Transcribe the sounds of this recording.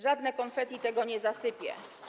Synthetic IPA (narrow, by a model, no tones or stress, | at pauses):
ʐad̪nɛkɔnfɛt̪it̪ɛɡɔɲɛzasɘpʲjɛ̰